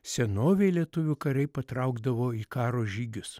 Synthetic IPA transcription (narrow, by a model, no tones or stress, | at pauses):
sʲɛnoːʋʲɛɪlʲiɛt̪ʊʋʲʊkɐɾɐɪpɐt̪ɾɐʊɡd̪ɐʋoːiːkɑːɾoːʒʲiːɡʲʊs